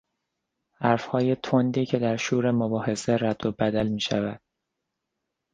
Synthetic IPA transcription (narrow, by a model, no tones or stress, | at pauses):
hæɾfhɒːje̞t̪ʰond̪iːcʰe̞d̪æɾʃuːɾe̞mobɒːhe̞se̞ræd̪̥ːobæd̪ælmiːʃæ̰væd̪̥̚